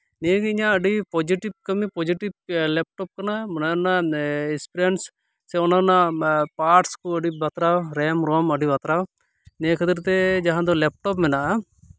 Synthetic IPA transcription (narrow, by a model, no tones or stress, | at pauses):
nekiɪɲãəɖipɔd͡ʒiʈib̚kɐmipɔd͡ʒiʈib̚lɛp̚ʈɔp̚kɐnamnanaɪspɾeɳʈs | sɛɔnanapaːɾʈskuəɖibɐt̪ɾawɾɛmɾɔməɖibɐt̪ɾaw | nekʰət̪iɾt̪ɛd͡ʒaɦãd̪ɔlɛp̚ʈɔp̬mɛna